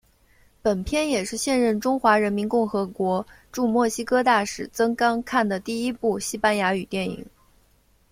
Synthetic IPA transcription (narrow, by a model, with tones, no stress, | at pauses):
pə˨˩npʰjɛ˥njɛ˨˩ʂɻ̩˥˧ɕjɛ˥˧nɻə˥˩nʈ͡ʂʊ˥ŋxwa˧˥ɻə˧˥nmi˧˥nkʊ˥˩ŋxɤ˧˥kwɔ˧˥ | ʈ͡ʂu˥˧mwɔ˥˩ɕi˥kʰɤ˥t̪a˥˩ʂɻ̩˥˩t͡sɤ˥ŋkɑ˥ŋkʰa˥˩nd̪ə˩t̪i˥˩i˥pu˥˩ɕi˥pa˥nja˧˥y˨˩t̪jɛ˥˩nḭ˨˩˦ŋ